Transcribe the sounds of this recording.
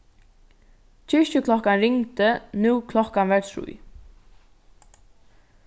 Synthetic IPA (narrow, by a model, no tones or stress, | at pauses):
t͡ʃʰɪʃcəkʰlɔhkanɾɪŋt̪ənuːkʰlɔhkanʋɛɹt̪ʰɾṵj